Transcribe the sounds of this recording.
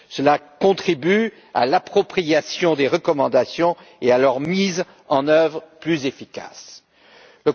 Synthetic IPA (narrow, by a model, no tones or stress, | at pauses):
səlakɔ̃t̪χiby | a̰lapχɔpχijasjɔ̃d̪eʁəkɔmɑ̃d̪asjɔ̃ | ealœʁmiz | ɑ̃nœvʁplyzefika̰s | lə